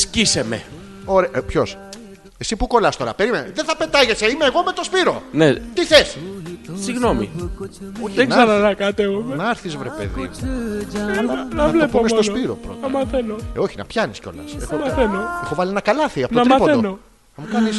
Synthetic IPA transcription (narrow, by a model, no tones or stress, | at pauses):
scisemḛ | oɾepço̞s | esipuko̞lɐst̪o̞ɾɐpe̞ɾimenɐðeθɐpe̞t̪ɐʝeseimeːɣo̞met̪o̞spiɾonet̪iθessiɣno̞mḭ | oçieknɐɾɐnɐkɐt̪evumenɐɐɾθizvɾepe̞̰ðḭmu | nɐɐvlepomesot̪ospiɾo̞̰pɾo̞̰t̪ɐmɐθenoo̞çinɐ̰pçɐnisceo̞̰lɐ̰sexomɐθenoexo̞vɐlienɐkɐlɐθiɐpotoɐɾmɐpoθeono | ɐmukɐlis